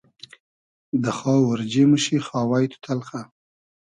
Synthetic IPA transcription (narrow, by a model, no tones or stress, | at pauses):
d̪əxɑwaɾd͡ʒeməʃixɑːwajt̪ʰʊ̥t̪ʰalxa